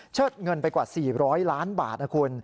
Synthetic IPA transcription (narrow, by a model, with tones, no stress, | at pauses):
t͡ɕʰɤː˥˩t̪̚ŋɤ˧npa˧jkwaː˨˩siː˨˩ɾɔː˦˥jlaː˦˥nba̰ː˨˩t̪̚na˧˩kʰu˧n